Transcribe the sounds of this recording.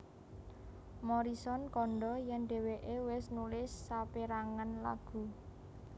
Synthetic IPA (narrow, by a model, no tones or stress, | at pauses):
mɔɾisɔnkɔɳɖɔjɛnɖ̪̥e̤weʔewɪsnulɪsːapeɾaŋənla̰ɡ̥ṳ